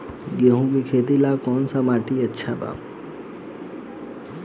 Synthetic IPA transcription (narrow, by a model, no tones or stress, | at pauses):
ɡeɦũkikʰeːt̪̬ilakɔːnsamaːʈiətːʃʰaba̰ː